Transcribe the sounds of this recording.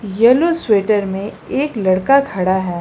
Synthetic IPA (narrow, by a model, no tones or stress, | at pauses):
jɛlosweːʈəɾmẽ | eːklɐɽkakʰɐɽaɦɛː